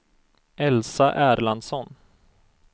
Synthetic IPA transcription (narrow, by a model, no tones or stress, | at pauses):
ɛlsaʔæːɾland̪sɔn